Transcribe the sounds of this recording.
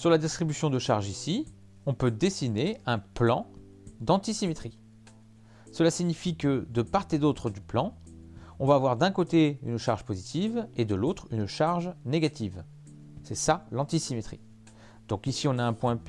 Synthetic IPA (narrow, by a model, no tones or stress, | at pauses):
syʁlad̪ist̪χibysjɔ̃d̪əʃaʁʒisi | ɔ̃pød̪esineɛ̃plɑ̃ | d̪ɑ̃t̪isimet̪χi | səlasiɲifikəd̪əpaʁt̪ed̪ot̪χəd̪yplɑ̃ɔ̃vaːvwaʁd̪ɛ̃kot̪ey̰nʃaʁʒpozit̪ived̪əlot̪χynʃaʁʒneɡat̪iv | sɛsalɑ̃t̪isimet̪χi | d̪̥ɔ̃kisiɔ̃naɛ̃pwɛ̃